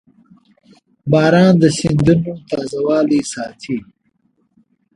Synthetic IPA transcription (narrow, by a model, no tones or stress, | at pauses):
bɑːɾɑːnd̪əsind̪unot̪ɑːzawɑːlisɑːt̪ʰi